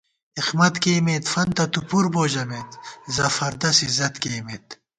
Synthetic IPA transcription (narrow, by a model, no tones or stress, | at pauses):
ixmɐt̪keːmet̪fɐnt̪ɐt̪upuɾboːʑɐmet̪zɐfɐɾd̪ɐsizɐt̪keːmet̪